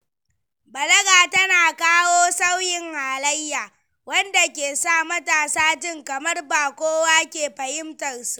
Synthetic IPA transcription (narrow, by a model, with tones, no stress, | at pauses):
bɐ˨lɐ˦ɡaː˨tɐ˦naː˨kaː˦woː˦sa˦wjɪ˨ŋhaː˨lɐ˦jːaː˨ | wɐ˦nda˨kʲeː˨saː˦˨mɐ˦taː˨saː˦d͡ʒɪ˦ŋkɐ˨mɐ˦rbaː˨kʷoː˦waː˦kʲeː˨ɸɐ˨hɪ˦mtɐ˨rsu˨ʔ